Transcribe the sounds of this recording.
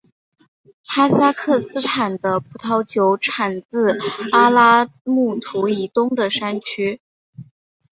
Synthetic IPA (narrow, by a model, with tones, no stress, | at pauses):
xa˥sa˥kʰɤ˥˩sɹ̩˥t̪ʰa˨˩nd̪ə˦pu˥˩t̪ʰɑ˧˥ʊt͡ɕjo˧˥ʊʈ͡ʂʰa˨˩nt͡sɹ̩˥˩a˥la˥mu˥˩t̪ʰu˧˥i˧˥t̪ʊ˥ŋd̪ə˨ʂa˥nt͡ɕʰy˥